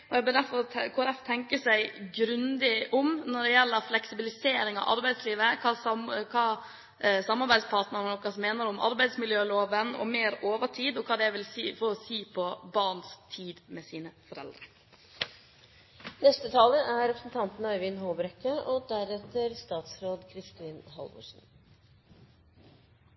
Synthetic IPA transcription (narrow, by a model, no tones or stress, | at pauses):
ɔɛɪɡbøːd̪æɾfɔɾʰkʰʊɾɛft̪ʰɛŋkəsæɪɡɾʉnd̪ɪʔʊmnɔɖɛjɛlːəɾflɛksɪbɪlɪseːɾɪŋɑ̰ʔɑ̰ɾbæɪd̪sliːʋəkʰɑkʰɑː | sɑmːɑɾbæɪd̪spʰɑɾʈ̪nəɾənnɔkʰːɑsɔmːeːnəɾʊmʔɑ̰ɾbæɪd̪smɪljøːloːʋənɔ̰meːɾoːʋəʈʰiːd̪ɔkʰɑːd̪ɛæɪʋɪlsiːfɔɾɔsiːpʰɔbɑɾɳ̩st̪ʰiːd̪mɛsiːnəfɔɾɛ̰ld̪ɾə | nɛst̪ət̪ʰɑːləʔæɾɛpɾəsn̩t̪ʰɑnt̪n̩ɑɪʋɪnɦoːbɾɛkːəɔd̪æɾɛt̪əɾst̪ɑːt̪sɾoːd̪kʰɾɪst̪iːnhɑ̰lʋʊ̰ʂn̩